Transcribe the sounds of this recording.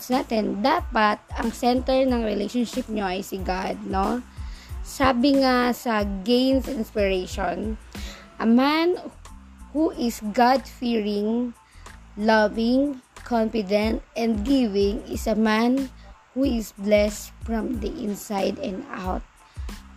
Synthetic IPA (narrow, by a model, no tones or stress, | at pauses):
naːt̪ɛnd̪aːpɐt̪̚ɐŋsɛnt̪ɛɹnɐŋɹɛlejʃonʃɪp̚ɲoɐjsɪɡad̪̚no | saːbɪŋasɐɡẽjnsɪnspɪɹejʃon | ʔɐman | huʔɪsɡad̪fiɹɪŋ | lavɪŋkʰɔnfɪd̪ɛnt̪ʔɛnd̪̚ɡivɪŋɪsɐmanhuɪsblɛst̪fɹɐmd̪iʔɪnsajd̪ɛnd̪a̰wt̪̚